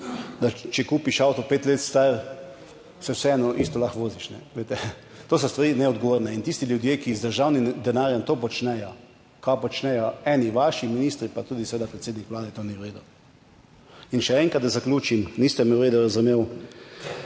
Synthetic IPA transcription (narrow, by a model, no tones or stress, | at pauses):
d̪at͡ʃɛkuːpiʃawt̪ɔpeːt̪leːt̪st̪aɾ | sɛwsɛɛnɔʔist̪ɔlaxʋoːziʃnɛʋeːt̪ɛ | t̪oːs̬ɔst̪ʋaɾiːnɛɔd̪ɡɔʋoːɾnɛint̪ist̪ilʲjud̪jeːkizd̪əɾʒawnimd̪ɛnaːɾjɛmt̪oːpɔt͡ʃnɛjɔ | kapɔt͡ʃnɛjɔɛniʋaʃiminiːst̪ɾipat̪uːd̪isɛʋeːd̪apɾɛt̪seːd̪nikʋlaːd̪ɛt̪oːniwɾeːd̪uw | inʃɛɛŋkat̪d̪azaklʲuːt͡ʃimnist̪ɛmɛʊɾeːd̪uɾazumeːw